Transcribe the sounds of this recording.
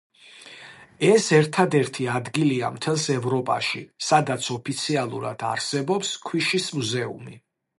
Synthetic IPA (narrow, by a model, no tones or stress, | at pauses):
ɛsɛɾt̪ʰad̪ɛɾt̪ʰiad̪ɡilia̰mt̪ʰɛlˠsɛvɾɔpʼa̰ʃisad̪at̪sʰɔpʰit̪sʰialˠṵɾa̰d̪̥a̰ɾsɛbɔpskʰwiʃismuzɛṵmḭ